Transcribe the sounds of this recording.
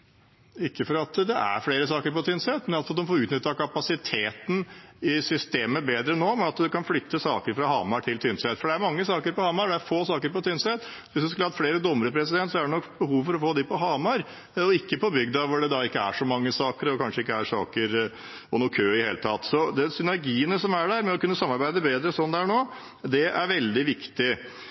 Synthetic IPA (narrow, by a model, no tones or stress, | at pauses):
ɪkːəfɔɾɑt̪d̪ɛʔæ̰ɾfɽeːɾəsɑːkəɾpɔt̪ʰʏnsɛt̪mɛnɑlsɔɑt̪d̪ɔmfoɔːɾʉːt̪nʏt̪ːɑkʰɑpɑsɪt̪ʰeːt̪n̩ɪsʏst̪eːməbeːd̪ɾənːoːmɛnɑt̪d̪ʉkɑnflʏt̪ːəsɑːkəɾfɾɑhɑːmɑɾʈʰɪlt̪ʰʏnsɛt̪ːfɔɖɛæɾmɑŋːəsɑːkəɾpɔhɑːmɑɾɖɛæɾfoːsɑːkəɾpɔt̪ʰʏnsɛt̪ː | ʋɪsd̪ʉskʉləhɑt̪fleːɾəd̪ɔmːəɾəpʰɾɛsɪd̪ɛnt̪sɔæɖɛnɔkbəhuːʋfɔɾɔfoːd̪ɪpɔɦɑːmɑɾ | ɔɪkːəpʰɔbʏɡd̪ɑʋʊɖɛd̪ɑɪkːəæ̰ʂɔmɑŋːəsɑːkəɾɔkʰɑnʂəɪkːəæɾʂɑ̰ːkəɾ | ɔnʊkʰøːɪd̪heːlət̪ʰɑt̪ːsɔd̪ɛsʏnæɾɡiːənəsɔmæɖæɾmɛɔkʉnːəsɑmːɑɾbæɪd̪əbeːd̪ɾəsɔnːd̪ɛæɳoː | d̪ɛʔæɾʋɛld̪ɪʋɪkt̪ɪ